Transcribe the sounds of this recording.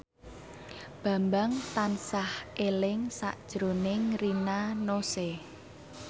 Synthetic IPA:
b̥a̤mbaŋt̪ansahʔelɪŋsa̰ʔd̥ʒ̥ɾonɪŋrinanose

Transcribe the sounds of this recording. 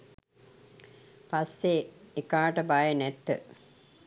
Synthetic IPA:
pasːeekaːʈəbajənɛt̪ːə̰

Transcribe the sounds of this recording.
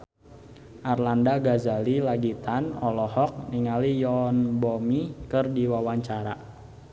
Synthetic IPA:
ʔarlandaɡazalilaɡit̪anɔlɔhɔk̚niŋalijɔnbɔmikɨrdiwawaɲt͡ʃaɾa

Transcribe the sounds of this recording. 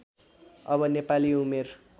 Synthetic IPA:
ʌbʌnepaliumer

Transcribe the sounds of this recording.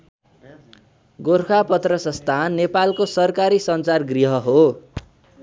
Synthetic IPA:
ɡorkʰapʌt̪rʌsʌst̪ʰanːepalkosʌrkaɾisʌnt͡sarɡriɦʌɦo

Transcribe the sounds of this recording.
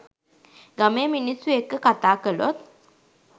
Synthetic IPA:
ɡameːminisuekːəkat̪aːkəlot̪̚

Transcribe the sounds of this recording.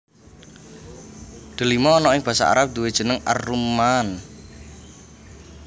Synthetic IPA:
d̪̥ə̤limɔːnɔɪŋb̥ä̤sa̰ʔa̰ɾap̚d̪̥uwed̥ʒ̥ə̤nəŋa̰rːuman

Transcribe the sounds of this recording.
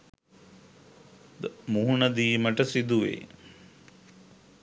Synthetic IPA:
d̪muɦuɳəd̪iːməʈəsid̪uʋḛː

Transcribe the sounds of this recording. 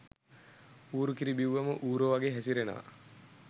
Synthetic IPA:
uːɾukiɾibiwːɐməʔuːɾoːʋaɡeːɦæsiɾena̰ː

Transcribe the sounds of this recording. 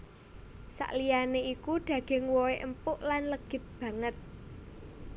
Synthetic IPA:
sa̰ʔlijaneikuɖ̪̥ä̤ɡ̥ɪ̤ŋwoeʔəmpʊʔlanləɡ̥ɪ̤t̪̚b̥ä̤ŋət̪̚

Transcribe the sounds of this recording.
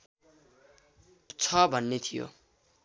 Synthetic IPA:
t͡sʰʌbʱʌnːet̪ʰijo̰

